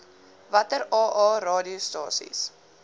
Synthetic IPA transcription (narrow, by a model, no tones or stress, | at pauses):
vɐtəɾɑːʔɑːrɑːdiostɑːsḭs